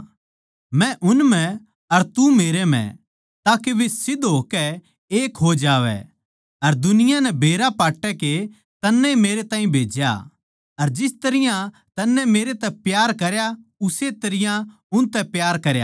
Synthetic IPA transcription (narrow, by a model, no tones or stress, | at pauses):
mɛ̃ʔʊnmɛ̃ | ɐɾt̪umeːɾemɛ̰̃ | t̪aːkeʋɪsɪd̪ɦoːkɛ | eːkɦod͡ʒaːʋɛ̰ | ɐɾd̪ʊnɪjãnɛbʱeːɾapaːʈːɛke | t̪ɐnːɛmeːɾet̪ãːĩbʱeːd͡ʒja̰ | ɐɾd͡ʒɪst̪ɐɾɪjã | t̪ɐnːɛmeːɾet̪ɛpjaːɾkɐɾjaʊset̪ɐɾɪjã | ʊnt̪ɛpjaːɾkɐɾja̰